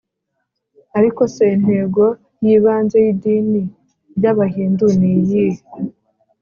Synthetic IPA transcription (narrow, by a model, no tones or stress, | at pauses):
aɾiko̞sen̥he̞ɡo̞ | jiːβaːnzejidiːni | ɾɟaβahiːnduniji